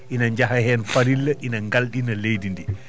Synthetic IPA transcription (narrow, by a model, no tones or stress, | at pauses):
ʔinaɲd͡ʒaɦahɛːnfaɾilːɛʔinaŋɡalɗinalejdindi